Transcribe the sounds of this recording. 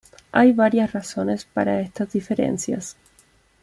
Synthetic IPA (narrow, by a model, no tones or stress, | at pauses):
ʔajβaɾjasraso̞ne̞spaɾaest̪azðife̞ɾḛnsja̰s